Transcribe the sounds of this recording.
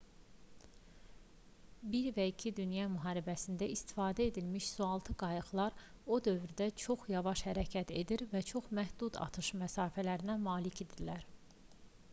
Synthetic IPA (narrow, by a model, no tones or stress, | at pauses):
biɾvæicʰid̪ynjɑmyɦɑːɾibæsind̪æist̪i̥fɑːd̪æe̞d̪ilmiʃsuɑlˠt̪ʰɯɡɑjɯxlˠɑɾ | o̞d̪ø̞vɾid̪æt͡ʃʰo̞χjɑvɑʃhæɾæcʰæt̪ʰe̞d̪iɾvæt͡ʃʰo̞χmæhd̪ud̪ɑ̰t̪ʰɯʃmæsɑːfælæɾinæmɑːlicʰe̞d̪ilæɾ